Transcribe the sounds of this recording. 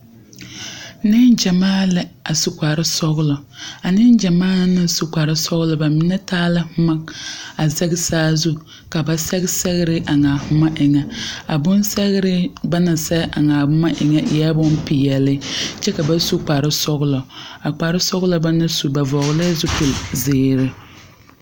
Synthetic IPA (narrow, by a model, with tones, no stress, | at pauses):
nɪ˦nd͡ʒa˨maː˦lɛ˦a˨su˨kʷa˨ɾɪ˦sɔ˦ɣlɔ˨a˨nɪ˦nd͡ʒɛ˨maː˦nɪ˦n˦su˦k͡pa˨ɾɪ˦sɔ˦ɣlɔ˨ba˨mɪ˦nɛ˦taː˦lɪ˦hʊ˦ma˦a˨zɛ˦ɣɪ˦saː˦zu˦ | ka˨ba˨sɛ˦ɣɪ˦sɛ˦ɣɪ˦ɾɪ˦ʔa˨ŋa˨hʊ˦ma˦ʔɪ˨ŋɛ˨a˨bʊ˦n˦sɛ˦ɣɪ˦ɾɪ˦ba˦na˨sɛ˦ʔa˨ŋaː˨bʊ˦ma˦ʔɪ˨ŋɛ˦˨ja˦bʊ˦npi˨jɛ˨lɪ˦t͡ʃɛ˦ka˨ba˦su˦k͡pa˨ɾɪ˦sɔ˦ɣlɔ˨a˨k͡pa˨ɾɪ˦sɔ˦ɣlɔ˦ba˦na˦su˨ba˨vɔ˨ɣlɪ˦zu˦pu˨lzɪː˨ɾɪ˦